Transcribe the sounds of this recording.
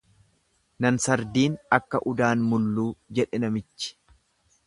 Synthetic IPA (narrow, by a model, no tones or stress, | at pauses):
nɐnsɐɾd̪iːnɐkːɐʔʊd̪aːnmʊlːuːd͡ʒɛᶑɛnɐmɪt͡ʃːɪ̥